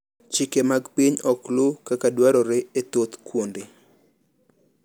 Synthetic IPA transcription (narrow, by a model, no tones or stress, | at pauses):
t͡ʃɪkemaɡpiɲɔklokakadwaɾɔɾeet̪ot̪kwonde